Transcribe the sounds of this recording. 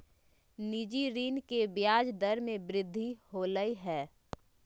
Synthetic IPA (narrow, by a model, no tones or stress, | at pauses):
nid͡ʒiɾiːnkebjaːd͡ʒd̪əɾmẽbɾɪd̪ʱːihoːləiɦɛː